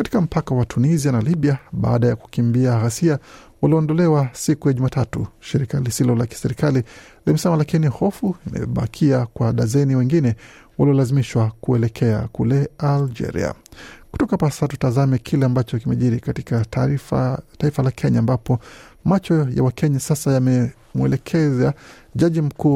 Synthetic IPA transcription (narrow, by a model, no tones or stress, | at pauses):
kati̥kam̩pakawatʰunizianaliɓiaɓa̰aɗajaku̥kimbiaɣasia | waliɔndɔlɛwasikujaʄumaːtatṵʃiɾikalisilɔlaki̥sɛɾikalilimɛsɛmalakinihɔfuina̰jɔ̰ɓa̰kʰiakwaɗazɛniwɛŋɡinɛwaliɔlazimiʃwakuɛlɛkʰɛa̰kulɛald͡ʒɛ̰ɾḭa̰ku̥tɔkapasatu̥tazamɛkʰilɛambat͡ʃɔkimɛʄiɾikati̥ka | taifalakʰɛɲaːmbapɔmat͡ʃɔja̰wakʰɛɲasasajamɛ | muɛ̰lɛkʰɛza | ʄaʄim̩kuː